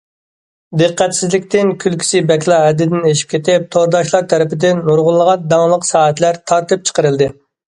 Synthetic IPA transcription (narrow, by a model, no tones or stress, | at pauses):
d̪ɨqːæt̪sɪzlɪkʲt̪ɪnkʲʰylkʲʰi̥sɪbɛkʲlˠɑɦɛd̪ːɪd̪ɪneʃi̥p̚kʲʰet̪ɪp̚t̪ʰoɾd̪ɑʃlˠɑɾt̪ʰɛɾɪpɪd̪ɪnːuɾʁʊlˠːəʁɑnd̪ɑŋlˠəqsɑːɦɛt̪læɾt̪ʰɑɾt̪ɨp̚t͡ʃʰə̥qəɾɨlˠd̪ɨ